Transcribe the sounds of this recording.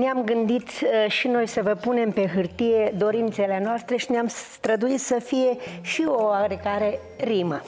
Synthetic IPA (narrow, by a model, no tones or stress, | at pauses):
neamɡɨnd̪it̪ʃino̞jsəvəpune̞mpe̞ɦɨrt̪ije̞d̪o̞ɾint̪se̞lenoast̪ɾe̞ʃineamst̪ɾəd̪uit̪səfije̞ʃio̞aɡɾeɡaɾe̞ | ɾimə